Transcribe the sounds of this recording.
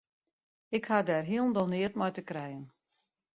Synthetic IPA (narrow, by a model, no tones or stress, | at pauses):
ɪkhadɛrɦiəlˠn̩dɔlˠnɪətmɔjtəkrɛjən